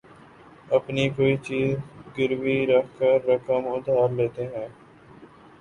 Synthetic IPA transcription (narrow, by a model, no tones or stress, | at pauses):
əpniːkoːiːt͡ʃiːzɡɪɾʋiːɾəkʰkəɾːəkəmʊd̪ʱaːɾleːt̪eːɦɛ̃ː